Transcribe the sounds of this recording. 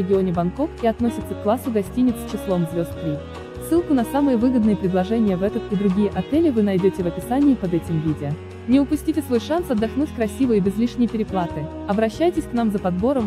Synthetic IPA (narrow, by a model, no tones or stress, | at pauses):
ɪɡʲɪonʲɪbɐnko̞kiɐt̪nosʲɪt̪səkːlˠasːʊɡɐsʲtʲinʲɪt̪st͡ɕɪslˠo̞mzvʲo̞st̪̚k̪ɾʲi | sːɨlˠkʊnɐsamɨjəvɨɡəd̪nɨjəpɾʲɪd̪lˠɐʐɛnʲɪjəvɛt̪ət̪id̪ɾʊɡʲijəʔɐt̪ɛlʲɪvɨnɐjdʲotʲɪvɐpʲɪsanʲɪːpɐd̪ɛtʲɪmvʲidʲɪə | nʲɪʊpʊsʲtʲitʲɪsvo̞jʂansɐd̪ːɐxnutʲkɾɐsʲivɨjəbʲɪzlʲiʂnʲɪjpʲɪɾʲɪplˠat̪ɨ | ɐbɾɐɕːæjtʲɪsʲknamzəpɐd̪bo̞ɾəm